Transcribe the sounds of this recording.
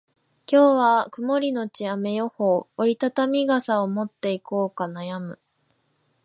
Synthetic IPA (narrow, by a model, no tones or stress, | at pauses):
kʲo̞ːβakɯ̟mo̞ɾʲino̞t͡ɕiame̞jo̞hoːɾʲit̪at̪amʲiɡasaomo̞t̪ːe̞ikoːkanajamɯ̟